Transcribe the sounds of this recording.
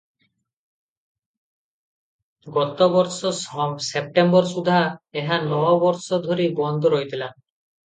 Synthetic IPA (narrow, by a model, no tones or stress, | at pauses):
ɡɔt̪ɔbɔɾsɔsep̚ʈembɔɾsud̪ʱaeɦanɔbɔɾsɔd̪ʱoɾibɔnd̪ʱɔɾoɦjt̪ʰila